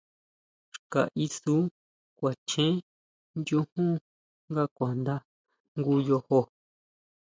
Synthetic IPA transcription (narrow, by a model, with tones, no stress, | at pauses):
ʃka̰˨ʔi˧su˦ | kʷa˨t͡ʃẽ˦ | nd͡ʒu˦hũ˦ | ŋɡa˦˨kʷa˨nd̪a˦ | ŋɡu˦jo˧ho˧